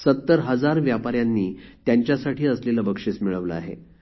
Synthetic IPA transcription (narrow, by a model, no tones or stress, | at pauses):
sət̪ːəɾɦəd͡zaɾʋjapaɾjanːiːt̪jaɲt͡ɕjasaʈiːəsleləbəkʂet͡smiɭəʋlə̰a̰ɦḛ